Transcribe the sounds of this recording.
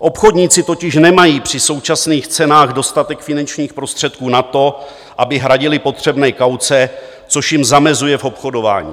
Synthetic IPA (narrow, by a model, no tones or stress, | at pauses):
ʔo̞pxo̞dɲiːt͡sɪt̪o̞cɪʃnɛmajiːpr̝̥ɪso̞wt͡ʃasniːxt͡sɛnaːɣdo̞st̪at̪ɛkfɪnant͡ʃɲiːxpɾo̞st̪r̥ɛt̪̚kuːnat̪o̞ | ʔabɪɦɾaɟɪlɪpo̞t̪r̝̥ɛbnɛːkawt͡sɛ | t͡so̞ʃjɪmzamɛzujɛfo̞pxo̞do̞va̰ːɲḭː